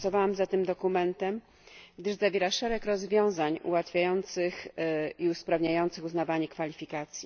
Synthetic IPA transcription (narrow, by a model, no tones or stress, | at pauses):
sɔvawamzat̪ɘmd̪ɔkumɛnt̪ɛm | ɡd̪ɘʐzavʲjeɛɾaʂɛɾɛkɾɔzvʲjɔ̃w̃zaɲṵwat̪fʲjajɔnt̪sɘxiuspɾavɲajɔnt̪sɘxuznavaɲɛkfalʲifʲikat̪sʲji